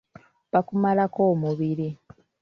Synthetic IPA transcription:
pakumalakoːmuβiɾi

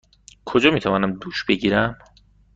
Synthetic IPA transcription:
kʰod͡ʒɒːmiːt̪ʰævɒːnæmd̪uːʃb̥eɟiːɾæm

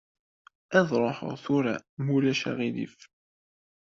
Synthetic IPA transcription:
æðɾˤoħθuɾamulæʃæ̰ʁilḭf

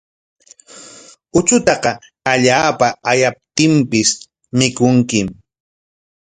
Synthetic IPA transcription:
ʊt͡ʃʊt̪ɑqɑ | aʎaːpaajap̚t̪ɪmpɪs | mɪkʊŋkɪm

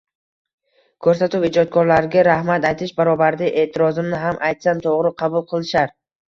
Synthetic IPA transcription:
kʰɵɾsat̪ʊpɪd͡ʒɒt̪̚kʰɒɾlaɾɡʲaɾahmat̪ajt̪ʰɪʃbaɾɒbaɾd̪ɪʔe̞ːt̪ʰɪɾɒzɪmnɪɦamʔajt̪samt̪ʰoʁɾɪqʰɑbʊlˠqʰɨlˠɪʃaɾ

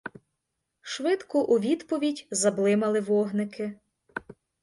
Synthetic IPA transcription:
ʃʋɪd̪kɔʔuʋʲid̪pɔʋʲidʲzɐblˠɪmɐlˠɪʋɔɦnɪkʰɪ

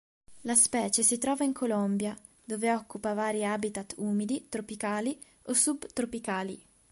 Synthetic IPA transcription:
laspɛːt͡ʃesit̪ɾɔːvaiŋkʰolɔmbja | d̪oːveɔkːupavaːɾiaːbit̪at̪uːmid̪it̪ɾopikaːli | osubt̪ɾopikaːlḭ

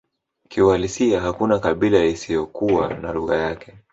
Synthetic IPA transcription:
kiwalisiaɦakunakaɓilaisijɔkuwa̰naluɣa̰jakɛ̥

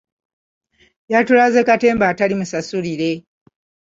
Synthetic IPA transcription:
jatulazekate̞ːmbaːtalimusasuliɾe̞

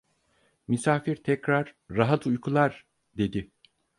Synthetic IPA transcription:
misaːfiɾt̪ʰɛcɾaɾ̥ːaɦat̪ʰujkʰulˠaɾ | d̪e̞d̪ɪ

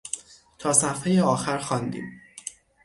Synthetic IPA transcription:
t̪ʰɒːsæft̪hɒːjeɒːxæɾxɒːnd̪ḭːm

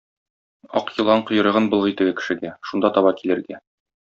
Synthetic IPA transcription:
ɒ̰qjɤ̆lˠɑɴqŏjɤ̆ɾɤ̆ʁɤnbɤ̆lˠʁit̪ɘ̆ɡɘkɘ̥̆ʃɘ̆ɡæʃund̪ɑt̪ɒβɑkilɘ̆ɾɡæ

